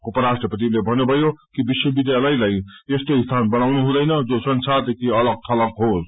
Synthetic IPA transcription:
upʌɾasʈrʌpʌt̪ilebʱʌnubʱʌjokibiswʌbid̪jalʌjlajest̪eist̪ʰanbʌnawnuɦũd̪ʌjnʌd͡zosʌnsart̪ek̪ʰiʌlʌɡ̚t̪ʰʌlʌɡɦos

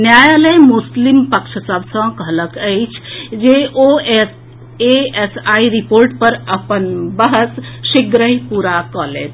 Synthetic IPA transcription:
njajaləjmuslimpəkʃʰsəbʱsə̃kəɦləkəjt͡ʃʰd͡ʒeʔoes | eesaiɾipoɾʈpəɾəpənbəɦəsʃiɡɾəɦipuɾakəlḛt̪

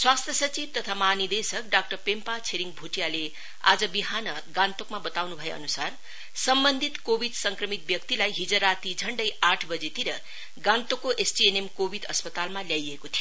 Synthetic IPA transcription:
swast̪ʰjʌsʌt͡sib̚t̪ʌt̪ʰamaɦanid̪esʌk̚ɖak̚ʈʌrpempat͡sʰeɾiŋbʱuʈijale | a̰d͡zʌbiɦanʌ | ɡãnt̪okmabʌt̪awnubʱʌjeʌ̰nusar | sʌmbʌnd̪ʱit̪kobʱid̪sʌŋkrʌmit̪̚bjʌkt̪ilajɦid͡zʌɾat̪id͡zʱʌɳɖʌjaʈʰbʌd͡zet̪iɾʌ | ɡãnt̪okoʔesʈienemkobʱid̪ʌspʌt̪almaljajekot̪ʰijo

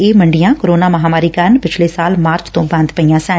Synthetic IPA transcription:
eːməɳɖɪjãːkoɾoːnaːməɦaːmaːɾiːkəɾnpɪt͡ʃʰleːsaːlmaːɾt͡ʃt̪õːbə̃nd̪pəijãːsɛ̃ː

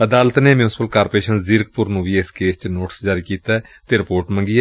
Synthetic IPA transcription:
əd̪aːlət̪neːmjũːsɪ̥pəlkaːɾpeːʃənzɪɾkpʊɾnũːʋiːeskeːst͡ʃnoːʈə̥sd͡ʒaːɾiːkiːt̪aːt̪eːɾɪpoːɾʈmə̃ŋɡiːɛː

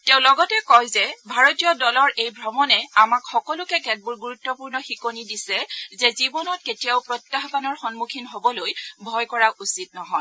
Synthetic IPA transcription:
teʊ̃lɔɡɔtɛkɔjzɛbʱaɹotiɔdɔlɔɹejbʱɹɔmɔnɛamakxɔkɔlʊkɛkɛt̚buɹɡuɹutːɔpuɹnɔxikonidisɛzɛzibɔnɔt̚ketijawpɹɔtːaɦkanɔɹxɔnmukʰinɦobɔlojbʱɔjkɔɹaʔusit̚nɔɦɔj

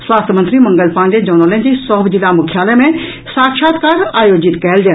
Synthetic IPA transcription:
sʋaːst̪ʰmənt̪ɾimɐ̃ŋɡəlpãːnd̪ed͡ʒoːnolẽd͡ʑisɔːbd͡ʑilamʊkʰjaːlemẽ | saːkʃaːt̪kaɾaːjoːd͡ʒɪt̪kɛɦɪld͡ʒɛ̃ː

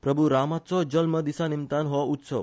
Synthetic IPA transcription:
pɾəbuɾamat̪sɔd͡ʒəlməd̪isanimt̪anɦɔut̪səʋ

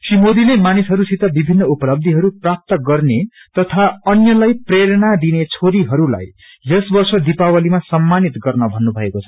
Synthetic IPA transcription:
simod̪ilemanisɦʌɾusit̪ʌbibʱinːʌupʌlʌb̚d̪ʱiɦʌɾuprap̚t̪ʌɡʌrne | t̪ʌt̪ʰaʌnjʌlajpreɾʌnad̪inet͡sʰoɾiɦʌɾula̰j | jʌsbʌrsʌd̪ipawʌlimasʌmːanit̪ɡʌrnʌbʱʌnːubʱʌekot͡sʰʌ̥

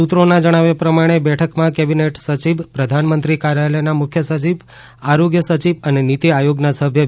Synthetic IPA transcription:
ut̪ɾonãd͡ʒəɽ̃aʋepɾəmaɽ̃ebɛʈʰəkmãkɛbineʈsət͡ʃiʋpɾəd̪ʱanmənt̪ɾikaɾjalenamʊkʰjəsət͡ʃiʋ | aɾoɡjəsət͡ʃiʋənenit̪iajoɡnasəbʱjə

